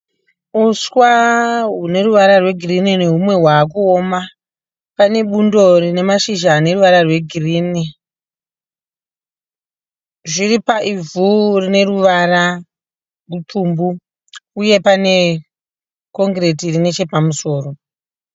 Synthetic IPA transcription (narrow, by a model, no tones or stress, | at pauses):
uswaɦune̞ɾuʋaɾarwe̞ɡʱirinineɦumwe̞ɦwaːkuoma | pane̞ɓundo̞rine̞maʃiʒaːne̞ruʋaɾarwe̞ɡʱiriːni | ʐiripaʔivurine̞ruʋara | rutʰumbu | uje̞pane̞ | ko̞ŋɡre̞tirine̞t͡ʃe̞pamuso̞ːro̞